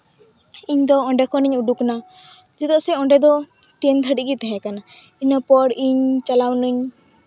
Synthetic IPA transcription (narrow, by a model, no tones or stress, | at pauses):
iɲd̪ɔɔ̃ɳɖɛkɔniɲuɖukna | d͡ʒɛd̪ɔʔsɛɔ̃ɳɖɛd̪ɔ | ʈɛnd̪ʱəɖiɡit̪ɛɦɛ̃kana | iɲɔpɔɽiɲt͡ʃalawniɲ